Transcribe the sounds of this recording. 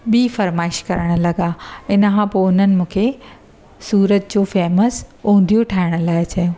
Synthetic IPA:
ɓiːfɐɾmaːɪʃkɐɾəɽ̃ʊ̆lɐɡaɪnəkʰãpoːʊn̤ənɪ̆mũːkʰe | suːɾət̪̚d͡ʑoːfeːməsũːn̆d̪ʱijoʈʰaːɪɽ̃ʊ̆laːɪt͡ɕɐjõː

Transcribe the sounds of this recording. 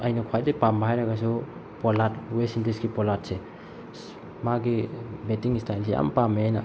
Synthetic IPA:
ajnakʰwajdipambaɦajɾaɡas̬u | pɔlatwesintiskipɔlat̚se | maɡibetiŋistʰajlsea̰mpameajna

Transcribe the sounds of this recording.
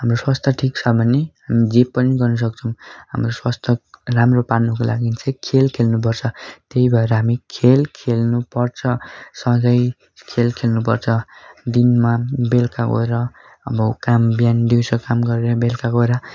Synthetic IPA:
ɦamroswast̪ʰʌʈʰikt͡sʰʌbʱʌneɦamid͡zepːʌniɡʌrnʌs̬ʌk̚t͡sʰʌw̃ɦa̰mroswast̪ʰʌramroparnukola̰ɡint͡sʌjkʰelkʰelnup̬ʌrt͡sʰʌt̪eibʱʌeɾʌɦamikʰelkʰelnupʌrt͡sʰʌsʌ̃ɡʌj | kʰelkʰelnupʌrt͡sʰʌd̪inmabelkako̰eɾʌ | ʌbʌkambjand̪iwsʌkamɡʌɾeɾʌbelkaɡoeɾʌ

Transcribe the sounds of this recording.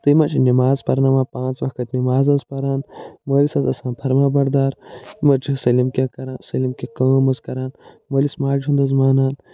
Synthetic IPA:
t̪ɨimɐt͡ʃʰinimaːzpɐɾnaːmaːpãːnt͡sʋɐxkɐt̪ʲnimaːzɐnspɐɾaːnmoːlisɐzɐsãːnpʰɐɾmaːbɐɾd̪aːɾimɐt͡ʃisɐlimkʲekɐɾaːnsɐlimkʲekɐmɐzkɐɾaːn | moːlismaːlʲt͡ʃʰund̪ɐzmaːnaːn

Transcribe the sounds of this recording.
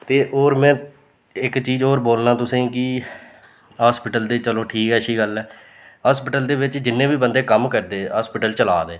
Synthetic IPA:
t̪eːʔoːɾmɛ̃ː | ɪkt͡ʃiːzoːɾboːlnãːt̪ʊsĩːkɪ | ɦaːspɪʈəld̪eːt͡ʃəloːʈʰiːkɛːəʃiːɡəlɛː | ɦaːspɪʈəld̪eːʋɪt͡ʃd͡ʒɪnːẽːbiːbənd̪eːkəmkəɾd̪eːɦaːspɪʈəlt͡ʃəlaːd̪eː

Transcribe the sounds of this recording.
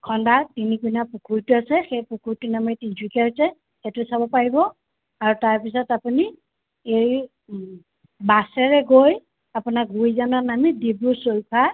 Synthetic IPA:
kʰɔndatinikunapukʰuɹtuasɛxejpukʰuɹtunamɛtintʰikɛɦsɛ | etʊsabɔpaɹibɔ | aɹutaɹpisɔtapuni | ej | basɛɹɛɡoj | apunak̚ɡujzanɔnamidibusojpʰa

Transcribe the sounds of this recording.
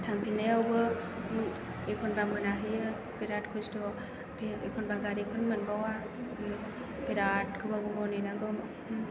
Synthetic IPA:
tʰaŋpʰinaawbɯ | ekʰɔnbamɯnaɦɯjɯ | biɾatkʰɔjstɔ | pʰiekʰɔnbaɡaɾikʰɯnmɯnbawa | biɾat̚kʰɯbaɡuɾɔninaɡɯm

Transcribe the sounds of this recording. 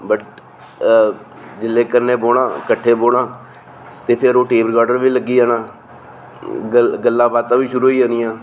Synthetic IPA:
bəʈ | d͡ʒɪlːeːkəɾneːboːɽãːkəʈʰːeːboːɽãː | t̪eːpʰɪɾoːʈeːbəɾɡaːɖəɾʋiːləɡːiːaːnãː | ɡəlːãːbaːd̪t̪ãːʋiːʃʊɾuːiːaːniːãː

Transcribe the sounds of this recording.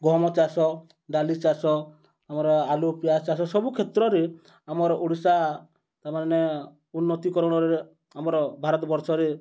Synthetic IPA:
ɡɔmɔt͡ʃasɔ | ɖalit͡ʃasɔ | amɔɾɔalupijat͡ʃasɔsɔbukʰet̪ɾɔɾe | amɔɾɔʔuɽisa | t̪amane | unːɔt̪ikɔɾɔɽ̃ɔɾee | amɔɾɔbʱaɾɔt̪bɔɾsɔɾe

